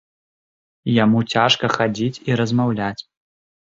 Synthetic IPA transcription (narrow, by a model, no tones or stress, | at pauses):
jamut͡sʲʰaʂkɐxad͡zʲit͡sʲiɾɐzmawlʲat͡sʲ